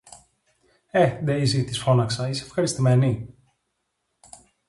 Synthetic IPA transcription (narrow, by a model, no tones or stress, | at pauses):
ed̪eizit̪isfo̞nɐksɐisefxɐɾist̪imeni